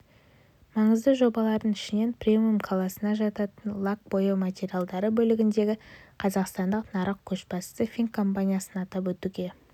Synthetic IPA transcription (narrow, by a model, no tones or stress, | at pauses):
mɑɴəzd̪əʒo̞bɑlˠɑɾd̪əɴɪʃɪne̞nprʲemʲiumkʰalˠasənɑʒɑt̪ɑt̪ənlˠak̚bo̞jəmat̪ʲe̞ɾijalˠd̪ɑɾəbɵlɪɡʲɪnd̪e̞ɡʲɪqʰɑzɑqst̪ɑnd̪əqnɑɾəq̚kʲʰɵʃbɑssəfʲiŋkʰːo̞mpanʲijasənɑt̪ɑp̬wɵt̪uɡʲe̞